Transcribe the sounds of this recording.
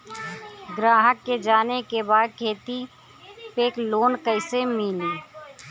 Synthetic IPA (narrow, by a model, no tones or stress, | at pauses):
ɡɾaːɦəkːed͡ʒaːnekebaːd̪̚kʰeːt̪i | peːkloːnkəɪsemiːneː